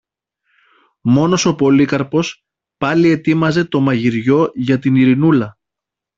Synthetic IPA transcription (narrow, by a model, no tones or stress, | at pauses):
mo̞no̞so̞po̞likɐɾpo̞s | pɐlie̞t̪imɐze̞t̪o̞mɐʝiɾʝo̞ʝɐt̪iniɾinulɐ